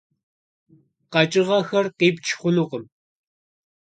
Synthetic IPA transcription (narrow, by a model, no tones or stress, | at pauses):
qɑt͡ʃʼɪʁɑxɐrqiːp̚t͡ʃʰχʷʊnʊqəm